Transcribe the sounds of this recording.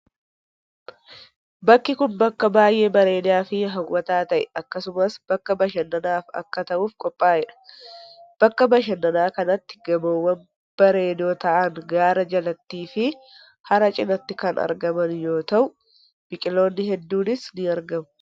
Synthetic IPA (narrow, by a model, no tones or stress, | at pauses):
bɐkːɪkʊnbɐkːɐbaːjʔe̞ːbɐɾe̞ːnɪjaːfɪɦɐwwːɐt̪aːt̪ɐʔɛɐkːɐsʊmɐsb̥ɐkːɐbɐʃɐnːɐnaːfɐ̰kːɐt̪ɐʔuːfkʼɔpʼːaːɛᶑɐ̥ | b̥ɐkːɐbɐʃɐnːɐnaːkɐnɐt̪ːɪ̥ɡɐboːwːɐn | b̥ɐɾe̞ːnoːt̪ɐʔɐŋɡaːɾɐd͡ʒɐlɐt̪ːiːfɪ | hɐɾɐt͡ʃʼɪnɐt̪ːɪkɐnɐ̰ɾɡɐmɐnjo̞ːt̪ɐʔʊ | b̥ɪkʼɪlo̞ːnːɪɦɛd̪ːuːnɪsnɪɐɾɡɐmʊ̥